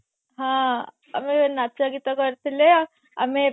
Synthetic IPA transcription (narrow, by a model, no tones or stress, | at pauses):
ɦã | əmenat͡ʃaɡit̪akəɾt̪ile | a̰me